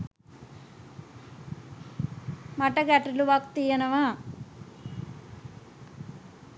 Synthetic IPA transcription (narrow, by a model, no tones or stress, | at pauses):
mɐʈɐɡaːʈiluʋakt̪ijɐnɐʋaː